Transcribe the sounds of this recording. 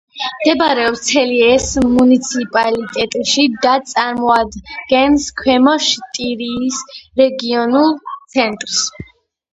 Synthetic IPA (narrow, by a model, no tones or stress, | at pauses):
md̪ɛbɾɛɔpst̪sʰɛliɛsmunit̪sʰipʼalit̪ʼɛt̪ʼiʃid̪at̪sʼaɾmɔad̪ɡɛnskʰwɛmɔʃt̪ʼiɾiːsɾɛɡiɔnulˠt̪sʰɛnt̪ʼɾs